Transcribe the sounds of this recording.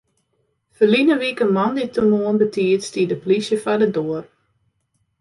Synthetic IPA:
fəlinəʋikəmɔnditumoənbətiətstiədəplisjəfadədoər

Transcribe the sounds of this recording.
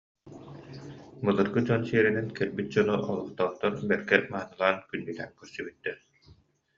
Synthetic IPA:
bɯlˠɯɾɡɯd͡ʑɔnsiɛɾinɛnkɛɾbit̪̚d͡ʑɔnuʔɔlˠɔχt̪ɔːt̪ːɔɾbɛɾɡɛmaɦːnɯlˠaːnkynːilɛŋkœɾsybyt̪ːɛ

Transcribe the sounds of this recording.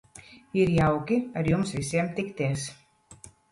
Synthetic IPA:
iɾjawkʲiaɾjumsvisiɛmt̪ikt̪eːs

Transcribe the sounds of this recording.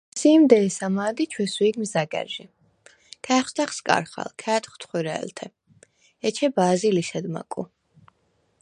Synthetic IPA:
siːmd̪ɛːsamaːd̪it͡ʃʰwɛswiɡmzaɡɛ̰ɾʒi | kʰɛːχst̪aχskʼa̰ɾχa̰lkʰɛːt̪χt̪ʰχwiɾɛɛ̰lt̪ʰɛ | ɛt͡ʃʰɛbaːzilisɛd̪ma̰kʼṵ

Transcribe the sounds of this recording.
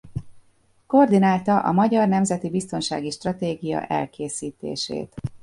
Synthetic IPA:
ko̞rd̪inaːlt̪ɒʔɒ̰mɒɟɒrnɛmzɛt̪ibist̪o̞nʃa̰ːɡiʃt̪rɒt̪eːɡijɒ̰ʔɛ̰lkeːsiːt̪ḛːʃḛːt̪

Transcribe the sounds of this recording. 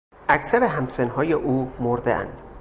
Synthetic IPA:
ʔækʰsæɾeɦæmsenɦɒːjeʔuːmoɾd̪ḛæ̰nd̪̥

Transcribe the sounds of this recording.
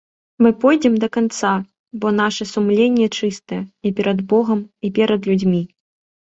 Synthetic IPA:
mɨpɔjd͡zʲɛmd̪ɐkant̪sa | bɔn̪aʂɛsumlʲenʲːɛt͡ʂɨst̪ɐjɛipʲɛɾɐd̪bɔɣɐmipʲɛɾɐd̪lʲud͡zʲmʲi

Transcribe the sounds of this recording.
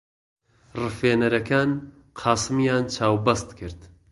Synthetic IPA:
rɨfeːnɐɾɐkaːn | qʰɑːsɨmjaːnt͡ʃʰaːwbɐst̪kʰɨɾd̪

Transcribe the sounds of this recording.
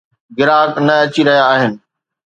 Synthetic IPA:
ɡɪɾaːknɐɐt͡ɕiɾɐɦjaːɦɪnɪ̆

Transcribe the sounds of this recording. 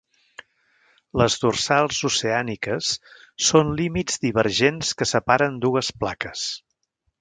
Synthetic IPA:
ləzðursalˠzuseanikəsː | onlimizd̪iβəɾʒenskəsəpaɾənd̪uəsplakəs

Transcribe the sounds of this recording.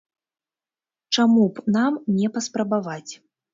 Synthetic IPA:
t͡ʂamupnamnʲɛpɐspɾɐbavat͡sʲ

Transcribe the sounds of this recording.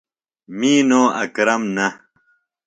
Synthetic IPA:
miːnoːɐ̰kɾɐmnɐ

